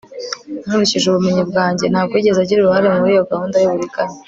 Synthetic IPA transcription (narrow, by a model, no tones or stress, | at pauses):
nuɾuciʒuβumeɲibɡaːɲɟe̞nhaːbɡwiɟe̞zaɟiɾuɾuhaɾe̞muβuɾijo̞ɡahuːndajiβuɾikaɲe